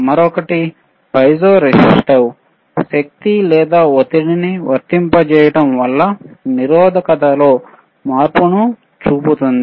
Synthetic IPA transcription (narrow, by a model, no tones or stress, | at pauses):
mɐɾɔkɐʈi | pɐjsoːɾesisʈɐw | ʃɐk̚t̪ilɛːd̪aːot̪iɽiniʋɐ̰ɾt̪impɐt͡ʃɛːjɐʈɐmʋɐlːɐniɾɔːd̪ʱɐkɐt̪ɐlo̞ː | maːɾpunu | t͡ʃuːput̪und̪i